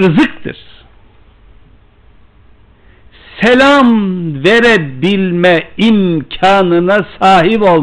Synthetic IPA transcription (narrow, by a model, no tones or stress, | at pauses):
ɾɯzɯkt̪ʰɯ̰ɾ̥ | selʲamveɾɛbilʲmɛimcʰaːnɯnasaːɦibo̞lˠ